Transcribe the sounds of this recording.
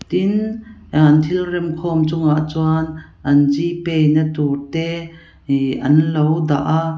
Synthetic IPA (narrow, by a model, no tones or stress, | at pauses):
t̪in | nt̪ʰilrɛmkʰɔmt͡sʊŋaʔt͡swan | ʔɐnzipɛjnət̪urt̪ɛ | ʔɐnlowda̰ʔa